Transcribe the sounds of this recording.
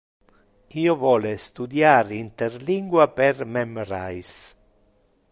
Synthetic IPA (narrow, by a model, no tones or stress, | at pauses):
iːovɔːlest̪ud̪jaːɾint̪erliŋɡwapermemoɾa̰js